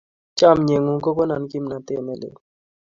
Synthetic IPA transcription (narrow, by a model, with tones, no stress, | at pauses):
t͡ʃa˦˨mɲe˨ŋu˨ko˦ko˦na˨nki˦mna˨t̪e˦˨ne˦˨lḛ˨